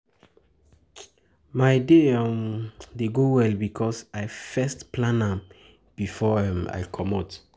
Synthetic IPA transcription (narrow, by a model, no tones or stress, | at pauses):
maɪdeamdeɡowɛlbikʰɔsaɪfɛstplãnãm | b̥ifɔɛma̰jkʰɔmɔt